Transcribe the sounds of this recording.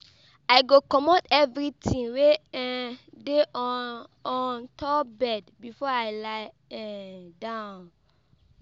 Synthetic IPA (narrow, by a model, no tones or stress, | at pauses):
ajɡokɔmotɛvɹitʰĩŋweɛde | ɔ̃ntʰɔbɛdbifɔajlaɪ | ɛ̃dãʊ̃n